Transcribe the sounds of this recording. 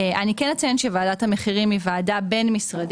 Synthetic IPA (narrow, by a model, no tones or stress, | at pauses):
ʔanikɛnat͡sjenʃevaːdathameχiʁimivaːdabe̞nmisʁad